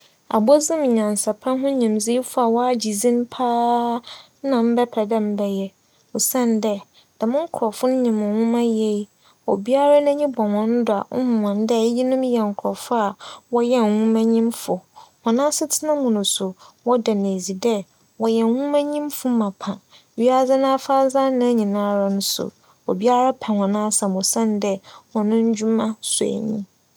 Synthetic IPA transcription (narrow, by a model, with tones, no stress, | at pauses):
a̰˨bɔ˦zɪ̃˦m˨ɲã˨n˨sa˨pʰã˦ɦʊ̃˦ɲĩ˨mzi˦i˦fʊ˦a˨wɔ˦a˦d͡ʑi˨zĩ˦n˦pʰaː˦ | nã˨m̩˦bɛ˦pʰɛ˨dɛ˦m̩˦bɛ˦jɛ˦ | o˨sɛ̃˦ndɛ˦ | d̥a˨mʊ̃˦ŋ̩˦kʰʊ˨ɾɔ˨fʊ˦n̩˦ɲĩ˨mʊ̃˨hũ˦mã˦je˦i˦ | o˨bi˦a˦ɾa˦nã˦ɲĩ˦bɔ̃˨ŋɔ̃˨n˦dʊ˨a˨ʊ˦m˨ã˨n˦dɛ˦˨˦ji˦nʊ̃˦mjɛ˨ŋ̩˨kʰɾɔ˨fʊ˦a˨wɔ˦jɛ˦n˨hũ˦mã˦ɲĩ˦mfʊ˨hɔ̃˨nãː˦sɪ˦tʰɪ˦nã˦mʊ̃˨nʊ̃˨sʊ˨wɔ˦dɛ˨ne˨zi˨dɛ˦ | wɔ˨jɛ˨n˨hũ˦mã˦ɲĩ˦mfʊ˦mã˨pʰã˨˦ | ɥi˦a˦d͡za˦nã˦fa˦zã˦nã˦ɲĩ˨nã˦ɾa˨nʊ̃˦sʊ̰˨ | o̰˨bi˦a˦ɾa˦pʰɛ̃˨hɔ̃˨nã˦sã˨mʊ̃˨sã˦n˦dɛ˦wɔ̃˨nʊ̃˦ɲ̩˦d͡ʑᶣu˦mã˦sʊ˨æ̰˨ɲḭ̃˦